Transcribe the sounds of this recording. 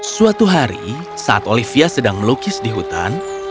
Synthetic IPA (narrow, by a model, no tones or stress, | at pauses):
suat̪uɦaɾḭ | saʔat̪olifiasədaŋməlukɪsdiɦut̪a̰n